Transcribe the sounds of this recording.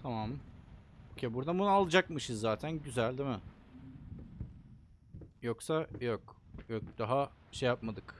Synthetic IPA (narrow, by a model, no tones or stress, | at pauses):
t̪ʰamam | ocʰebuɾd̪abunualˠɯd͡ʒakmɯʃɯzːaːt̪ʰænɟyzælʲd̪imɪ | joksajokjokd̪̥aɦa | ʃejjap̚mad̪ɯk